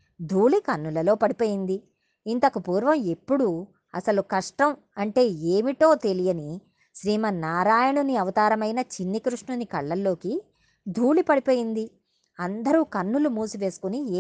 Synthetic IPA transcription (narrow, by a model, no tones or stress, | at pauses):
d̪ʱuːlikɐnːulɐlo̞ːpɐɽipo̞ːjind̪i | int̪ɐkupuːɾʋɐme̞pːuɽu | ɐ̰sɐlukɐʂʈɐm | ɐɳʈe̞ːeːmiʈo̞ːt̪e̞lijɐni | ʃɾiːmɐnaːɾaːjɐɳuniɐʋɐt̪aːɾɐmɐjnɐt͡ʃinːikɾuʂɳunikɐɭːɐlːo̞ːki | d̪ʱuːlipɐɽipo̞ːjind̪i | ɐnd̪ɐɾuːkɐnːulumuːsuʋe̞ːsu̥kuniː